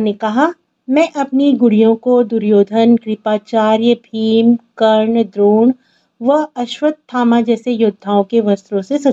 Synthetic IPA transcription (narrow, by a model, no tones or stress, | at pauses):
nekɐɦa | mɛ̃ːʔɐpniɡʊɽijõkod̪ʊɾjoːd̪ʱənkɾɪpaːt͡ʃaːɾjəpʰiːmkɐɾɳd̪ɾoːɳ | ʋɐɐʃwəd̪̚t̪ʰːaːmãd͡ʒɛːsejʊd̪ʱːaːõkeʋɐst̪ɾõsesɐ